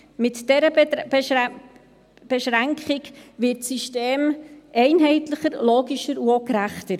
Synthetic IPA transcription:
mɪtd̥ɛɾə | b̥ɛʃɾæŋkχɪkʋɪtsiʃteːmʔɛɪnɦɛɪtləχəɾloːɡiʃəɾuokɾæχtəɾ

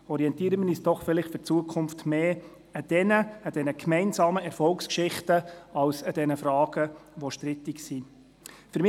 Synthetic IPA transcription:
ɔɾiɛntiːəɾəməniːsd̥ɔχfɪlɪχtfʏɾt͡suəkʰʊmftmeː | ɑd̥ɛnəɑd̥ɛnəkmɛɪnzɑːməɛɾfɔlkskʃɪχtəɑwsɑd̥ɛnəfɾɑːɡ̥əʋɔʃtɾɪtɪksi | fʏɾmɪ

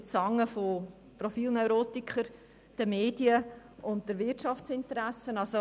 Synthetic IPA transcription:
t͡sɑŋːəfo | profiːlnœʏɾoːtikχəɾ | d̥əmeːdiə | ʔʊnt̚d̥əɾvɪtʃɑft͡sɪntəɾæsənɑlso

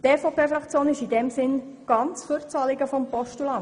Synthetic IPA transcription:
t̪ɛfɔpʰeːfɾɑkt͡sjoːnɪʃidɛmsɪn | ɡ̥ɑnt͡sfyɾt͡sɑlɪɡəfɔmpɔʃtulɑ

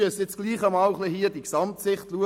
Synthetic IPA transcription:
əsjɪt͡sɡ̥liːχəmɑːlχlihiːəd̥iksɑmtsɪχtluə

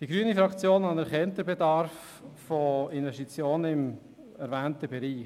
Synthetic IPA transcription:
d̥iɡ̥ɾyənifɾɑkt͡sjoːnɑnɛɾχɛnt̪əbedɑɾf | fɔɪnvɛsʃtit͡sjoːnəɪm | ɛɾvæːntəbɛɾiː

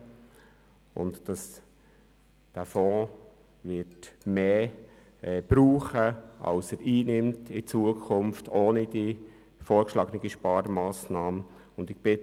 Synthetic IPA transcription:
ʊ̰ntd̥ɑs | d̥æfɔ̃ː | ʋɪtmeː | ɛb̥ɾuːχəʔɑ̰lsəɾʔiːnɪmtʰɪt͡suəkʰχʊnftʰoːnid̥i | foːɾkʃlɑːɡənəɡiʃpɑːɾmɑːsnɑːm | ʊndɪɡ̚b̥ɪt

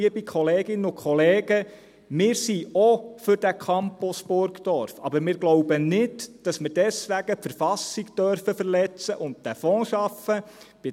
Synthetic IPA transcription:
əbikχɔleːɡɪnːəʊkχɔleːɡ̥ə | mɪːɾsiɔfʏɾd̥ækʰɑmpɔsbʊɾkd̥ɔɾfɑbəɾmɪːɾɡlɔwbənɪdd̥ɑsməɾdɛsʋæɡ̥əpfəɾfɑsikd̥œɾfəfəɾlɛt͡səʔʊnt̚d̥æfɔ̃ːʃɑfə | b̥ɪ

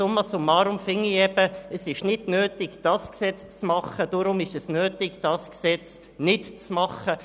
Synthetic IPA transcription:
ʊmːəsʊmːɑːɾʊmfɪŋːiɛb̥əəsɪʃnɪdnøːtɪɡd̥ɑsksɛt͡st͡smɑχəd̥ʊɾʊmɪʃəsnøːtɪɡd̥ɑsksɛt͡s | nɪtt͡smɑχə

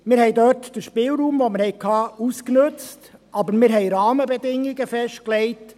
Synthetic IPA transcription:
mɪːɾhɛɪdœtd̥əɾʃpɪːlɾuːmʋɔməɾhɛɪkʰɑːusknɵt͡stʔɑbəɾmɪɾɦɛɪɾɑːməbɛd̪ɪŋːiɡəfɛʃt̚klɛɪt

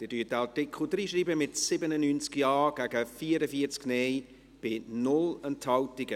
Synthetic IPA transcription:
d̥ɛːd̥yːət̚əɑtɪkχl̩d̪ɾiːʃriːbəmɪtsɪbənənynt͡skjɑːɡ̥æɡəfiːəɾəfiəɾt͡sknɛj | b̥ɪnʊlənthɑltɪɡə

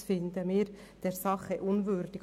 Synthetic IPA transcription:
fɪnd̪əmiːɾd̥ɛɾsɑχəʔʊnvʏɾd̥ɪk

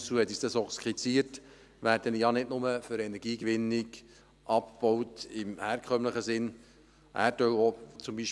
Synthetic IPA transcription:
t͡suːhɛt̪isd̥̪ɑsɔχskχit͡siːəɾt | ʋæːɾd̥ənjɑnɪtnʊməfʏɾɛnɛɾɡiːkʋɪnːɪk | ʔɑp̚b̥ɔwtɪmhæːɾkʰχœmləχəsɪn | ʔæ̰ːɾtœwot͡sʊmbiʃ

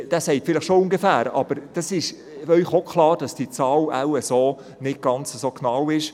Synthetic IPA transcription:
d̥æːsɛɪtfɪlɪχʃoʊŋɡəfæːɾɑ̰b̥əɾd̥ɑsɪʃ | œʏχokʰχlɑːɾd̥ɑsd̥it͡sɑːla̰wəsoː | nɪt̚ɡ̥ɑnt͡səsoːknɑwɪʃ

